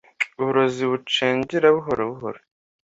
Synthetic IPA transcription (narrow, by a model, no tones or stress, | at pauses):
uuɾoziβut͡ʃeːɲɟiɾaβuɦoɾeβuɦo̰ɾe